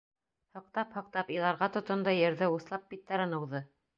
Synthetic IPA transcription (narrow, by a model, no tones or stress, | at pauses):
hɤ̆q̚t̪ɑphɤ̆q̚t̪ɑpilˠɑɾʁɑt̪ŏt̪ɤ̆nd̪ɑjɘ̆ɾðɘuθlˠɑp̚bit̪ːæɾɤ̆nɤ̆wðɤ